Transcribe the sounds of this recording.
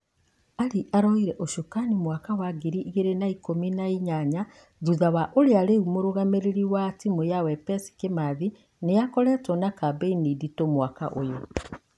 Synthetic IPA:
aɾiʔaɾɔiɾɛʔoʃokanimwakawaɡiɾiʔɣeɾenaikominaiɲaɲa | ðuðawaʔoɾeaɾeumoɾoɣameɾeɾiwatimojawɛpɛsi̥kemaði | nejakɔɾɛtɔnakabeiniditomwaka̰ʔojo

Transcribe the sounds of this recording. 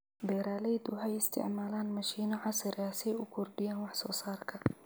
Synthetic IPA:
bɛːɾaːlɛjd̪ʊɦɛjɪst̪ʰɪ̰ʕmaːlaːnmɐʃiːnɔʕɑsɪɾaːsjʊkʰʊrɖɪjaːnwɑħsɔːsaːrkʰɐ

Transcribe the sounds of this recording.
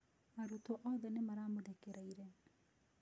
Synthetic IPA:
maɾut̪oʔɔðɛnemaɾamodekeɾaiɾɛ

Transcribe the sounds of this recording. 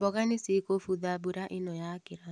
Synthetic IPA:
ɔɣanɪsikofuðabuɾaʔɪnɔjakɪɾa

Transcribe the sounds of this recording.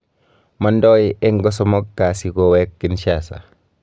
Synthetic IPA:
mandɔieŋɡɔsɔmɔkːasikowɛkːinʃasa̰

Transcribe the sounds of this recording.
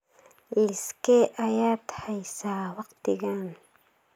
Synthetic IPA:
lɪskʰɛʔɐjaːt̪ʰhɛjsaːwɑqt̪ʰɪɣaːn

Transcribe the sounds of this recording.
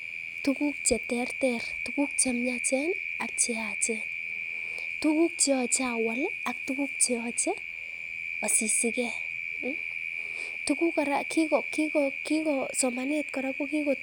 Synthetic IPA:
tukuk̚t͡ʃɛtɛrtɛrtukuk̚t͡ʃamjat͡ʃɛnak̚t͡ʃɛat͡ʃɛ | tukuk̚t͡ʃeɔt͡ʃawalak̚tukuk̚t͡ʃeɔt͡ʃɛ | ɔsisɪkɛ | tukukaɾakikɔkikɔkikɔsɔmanet̚kɔɾakokikɔ

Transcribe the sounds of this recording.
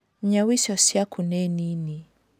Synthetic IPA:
ɲawisɔsjakunɛnini

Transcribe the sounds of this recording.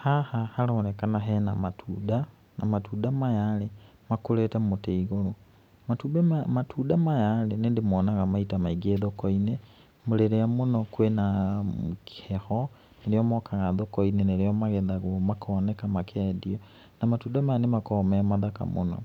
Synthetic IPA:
hahahaɾɔɾɛkanaɦɛna̰matʰuda | namatudamajaɾe | makoɾɛtamoteiɣoɾo | matubɛmatudamajalenendemɔːnaɣamaitamaiɡeðɔkɔine | moɾeɾeamonɔkwenamki̥hɛxɔ | neɾeɔmɔkʰaɣaðɔkɔineneɾeɔmaɣɛðaɣomakʰɔːnɛkamakʰɛːdiɔ | namatuːdamajanemakɔmɛmaðaka̰mo̰nɔ̰

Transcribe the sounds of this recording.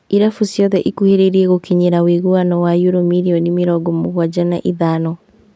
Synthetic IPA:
iɾafusjɔðɛʔikuheɾeɾiɛɣokiɲeɾaweɣuanɔwajoɾomiɾiɔnimeɾɔɡɔmoɣwad͡ʒanaʔiðaːnɔ

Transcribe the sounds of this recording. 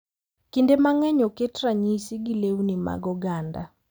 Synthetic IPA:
kindemaŋɛɲɔketɾaɲisiɡilewnima̰ɡɔɡanda̰

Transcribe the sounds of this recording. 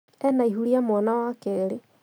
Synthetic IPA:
ɛnaiɦuɾiamwanawakeɾe

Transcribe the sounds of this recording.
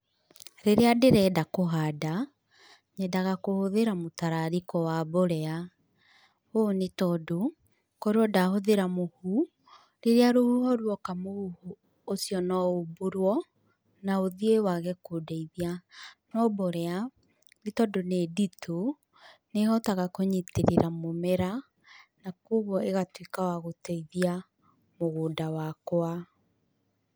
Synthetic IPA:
ɾeɾeadeɾɛːdakoɦada | ɲɛdaɣakohoðeɾamotaɾaɾikɔwaboɾɛa | onetɔdo | koɾeɔdahoðeɾamohu | ɾeɾeaɾohuhɔɾwɔkamohuho | osiɔnɔoboɾwɔ | naoðiewaɣɛkodaiðianɔbɔɾea | ɾitɔdoneditʰo | nehɔtaɣakoɲiteɾeɾamomɛɾa | nakoɣɔeɣatwekawaɣoteiðia | moɣoːndawakwa

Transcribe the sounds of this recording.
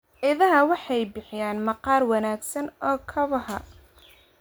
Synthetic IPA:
ʔɪðɐɦɐwɑħɑjbɪħɪjaːnmɐqɑːrwɑnaːɡsɐnɔːkʰɐβɐhɐ̰

